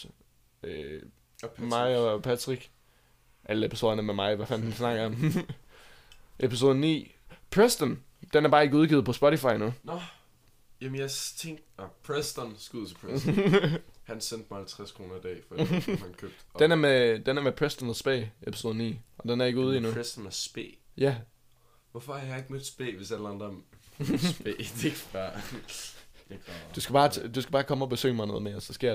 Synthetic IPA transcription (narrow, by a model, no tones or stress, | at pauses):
ø | mɑ̈ɪɒpʰæt͡sʰʁiɡ̥ | ʔæləepʰiso̝ːðˠɐnɐmemɑ̈ɪʋæfænd̥ensnɑ̈ɡ̥ɐɒ̽m | ʔepʰis̬o̝ːðˠənḭː | pʰʁesd̥ən | d̥enæɐb̥ɑ̈ːe̝ɡ̥əuðˠɡið̩ˠpʰɒ̽sb̥ɔɾifɑ̈ɪnun | jæmənjat͡sʰeŋ | pʰʁesd̥ɐnsɡ̥uðˠt͡sʰepʰʁ | hænsen̰d̥̚mahælt͡sʰʁaskʰʁo̝ːnɐid̥ɛ̰ːfɒdihænkʰøb̥̚d̥enæɐmed̥enæɐmepʰʁesd̥ɒnsb̥ḛːʔepʰiso̝ð̩ˠnḭːɒ̽d̥enæɐe̝ɡ̥uːð̞ˠinuʁesd̥ɐnæsb̥e̝̰ːjæ | ʋɔfɒæjɑe̝ɡ̥̚med̥sb̥ḛːʋe̝sæll̩ɑnd̥ɐ | b̥ḛd̥eeɡ̥b̥ɑː | d̥usɡ̥æb̥ɑ̈ːt͡sʰd̥usɡ̥æb̥ɑ̈ːkʰɒ̽məɒ̽b̥e̝sø̰ːmɑ̈ɪnoðˠmeɐsɒsɡ̥ḛɐ̰